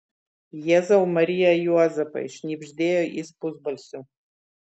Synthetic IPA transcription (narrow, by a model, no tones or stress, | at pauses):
jɛzawmaɾijajuazapʰʼa̰ḭʂnibʒdejaʔispʰuzbalsu